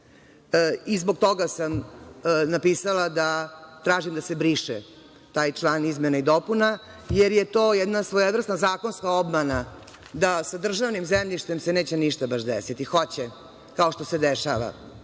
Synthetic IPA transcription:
izboɡ̚t̪o̞ɡasam | napiːsalˠad̪at̪ɾaːʒimd̪asebɾiʃɛ | t̪aːjt͡ʃlˠaːnizmenaid̪opuna | jeɾjet̪oːjɛd̪nasʋojodɾr̩snazaːko̞nskaobmana | d̪asad̪r̩ʒaʋnimzemʎʲiʃt̪emseneːt͡ɕeniʃt̪abaʃd̪ɛ̰sit̪ixot͡ɕɛ | kao̞ʃt̪osed̪ɛʃa̰ʋa̰

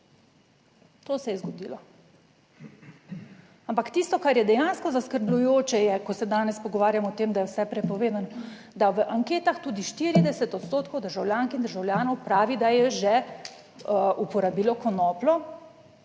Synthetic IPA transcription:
t̪oːsɛjɛzɡɔd̪iːlɔ | ampakt̪ist̪ɔkaɾjɛd̪ɛjaːnskɔzaskəɾblʲujoːt͡ʃɛjɛkɔsɛd̪aːnɛspɔɡɔʋaːɾjamɔːt̪eːmd̪ajɛwsɛpɾɛpɔʋeːd̪anɔ | d̪aʋəʔaŋkeːt̪axt̪uːd̪iʃt̪iɾid̪ɛsɛt̪ɔt̪st̪oːt̪kowd̪əɾʒawljaːŋkind̪əɾʒawlʲjaːnɔwpɾaːʋid̪ajɛʒɛ | upɔɾabiːlɔkɔnɔːplɔ

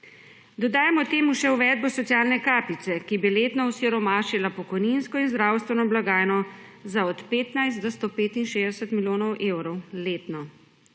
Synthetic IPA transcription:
d̪ɔd̪aːjamɔt̪eːmuʃɛwʋɛd̪̚bɔsɔt̪sijaːlnɛkaːpit̪sɛkibileːt̪nɔusiɾɔmaːʃilapɔkɔjninskɔinzd̪ɾawst̪ʋɛnɔblaɡaːjnɔ | zaɔt̪peːt̪najst̪d̪ɔst̪oːpeːt̪inʃeːzd̪ɛsət̪miljoːnɔwʔeːwɾɔwleːt̪nɔ

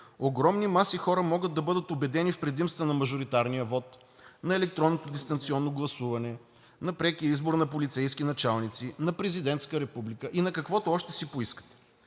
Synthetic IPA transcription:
oɡɾɔmnimasixɔɾəmɔɡət̪̚d̪ːɐbɤd̪ət̪obɛd̪ɛnifpɾɛd̪imst̪vənɐmɐʒoɾit̪aɾnijəvɔt̪ | nɐɛlɛk̚t̪ɾɔnːot̪od̪ist̪ɐnt̪siɔnːoɡlˠɐsuvɐnɛ | nɐpɾɛkiəizboɾnɐpolit̪sɛjskinɐt͡ʃalˠnit̪sinɐpɾɛzid̪ɛnt̪skəɾɛpublikəʔinɐkɐkvɔt̪oɔʃt̪ɛsipoiskə̥t̪ɛ̥

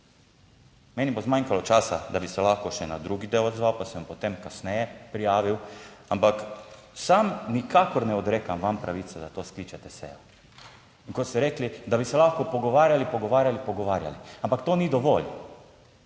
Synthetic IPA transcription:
mɛːnibozmaŋkalɔt͡ʃaːsad̪abisɛlaxkɔʃɛnad̪ɾuːɡid̪ewɔd̪zʋawpasɛampot̪emkasnɛjɛpɾijaːʋiwampaksamnikaːkɔɾnɛɔd̪ɾeːkamʋampɾaʋiːt̪sɛd̪at̪oskliːt͡ʃɛt̪ɛsɛ̰jɔ | iŋkɔt̪st̪ɛɾeːklid̪abisɛlaxkɔpɔɡɔʋaːɾjalipɔɡɔʋaːɾjalipɔɡɔʋaːɾja̰liampakt̪oːnid̪ɔʋol

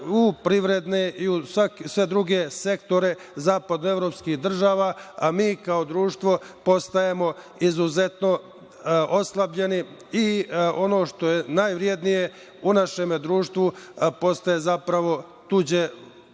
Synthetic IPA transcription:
upɾiʋɾe̞d̪neiusaksʋe̞d̪ɾuɡe̞se̞kt̪o̞ɾe | zaːpad̪noe̞vɾo̞ːpskixd̪r̩ʒaːʋaːamiːkaod̪ɾuːʃt̪ʋo̞po̞st̪ajemo̞ | izuze̞t̪no̞ | ʔo̞slˠabʎe̞ni | iʔo̞no̞ːʃt̪o̞je̞naːjʋɾie̞d̪nije̞ | unaʃe̞med̪ɾuːʃt̪ʋupo̞st̪ajezapɾaʋo̞ | t̪ud͡ʑe

